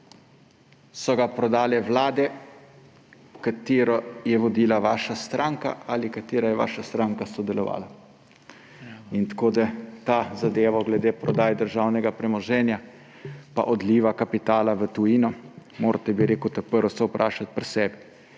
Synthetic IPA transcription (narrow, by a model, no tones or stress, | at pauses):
sɔɡapɾɔd̪aːlɛʋlaːd̪ɛ | kat̪eːɾɔjɛʋɔd̪iːlaʋaːʃast̪ɾaŋka̰alikat̪eːɾajɛʋa̰ːʃast̪ɾaːŋkasɔd̪ɛlɔʋa̰ːla | int̪koːd̪at̪azad̪eːʋɔɡlɛd̪eːpɾɔd̪aːjd̪əɾʒawnɛɡapɾɛmɔʒɛːnja | pa̰ʔɔd̪liːʋakapit̪aːlaʋət̪uinɔmoːɾt̪ɛbiɾeːkut̪apəɾɔsɔwpɾʔaːʃat̪̚pɾsɛːbɛ